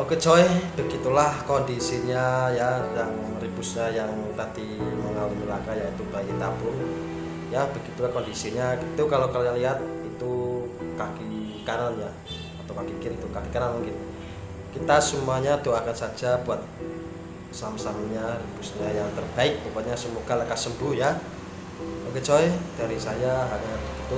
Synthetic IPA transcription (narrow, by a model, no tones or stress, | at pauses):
lokət͡ʃoɪhb̥əɡit̪ulahkɔndisiɲajajaŋ | ribusɲajaŋt̪ad̪iməŋauinəlakajait̪ubaikit̪abʊn | jab̥əɡit̪ulahkɔndisiɲakit̪ukalokəlɲaliɦat̪̚it̪ukakikananja | at̪awkakikɪnit̪ukakikanalmnkit̪u | kit̪asumuaɲad̪oakansad͡ʒabuat̪̚ | samsamɲaribusɲajaŋt̪ərbaɪk̚tukat̪̚ɲasəmuɡ̥alakasəmbuhja | oɡet͡ʃɔɛd̥aɾisajaɦaɲabɡit̪u